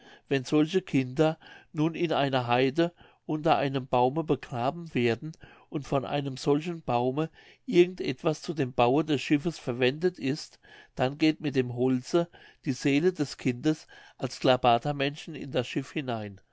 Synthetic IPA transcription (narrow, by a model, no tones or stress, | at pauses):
vɛnz̥ɔlçəkʰɪndɐnuːnɪnʔaɪnɐɦaɪdə | ʔʊntɐʔa̰ɪnəmbaʊməbəɡ̥ʁaːbm̩veːɐdn̩ | ʔʊntfɔnʔa̰ɪnəmz̥ɔlçn̩b̥aʊmə | ʔɪɐɡŋ̩tʔɛtv̥ast͡suːdeːmbaʊədɛsʃɪfəsfɛɐvɛndətɪst | d̥anɡeːtmɪt̚d̥eːmɦɔlt͡səd̥iːzeːlədɛskʰɪndəsʔalsɡ̥labaːtʰɐmɛnʃn̩ɪ̰ndasʃɪfhɪnaɪn